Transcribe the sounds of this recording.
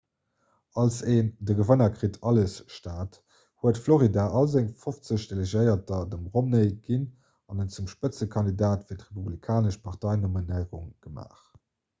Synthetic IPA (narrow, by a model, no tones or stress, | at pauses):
ɑlseːndəɡəvənɐkχitʰɑləsʃtaːt | huətfloʁidaʔɑlzeŋfoft͡səɕd̥eleʒəɪɐtɐdəmʁomnəɪɡ̥in | ɑnənt͡sumʃpət͡səkʰɑndidaːtfiɐtʁepublikʰaːnəʃpʰɑʁtɑɪnominəɪʁuŋɡ̥əma̰ːχ